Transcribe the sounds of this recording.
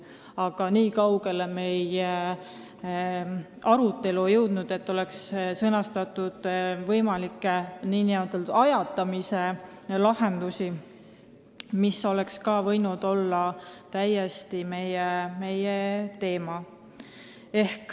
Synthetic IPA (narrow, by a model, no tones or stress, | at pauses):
ɑɡ̥ɑniːkɑwɡ̥e̞leme̞je | ɑɾut̪ːe̞lujɤwd̪̥nud̪̥e̞t̪ːˑo̞le̞kssɤnɑst̪ɑt̪ːˑud̪̥vɤjmɑlikːˑeniːniot̪elt̪ɑjɑt̪ːˑɑmise̞lɑhe̞nd̪usi | misːo̞le̞kskɑːvɤjnud̪̥o̞lːɑt̪æjest̪ime̞jeme̞jet̪e̞ːmɑ | ehk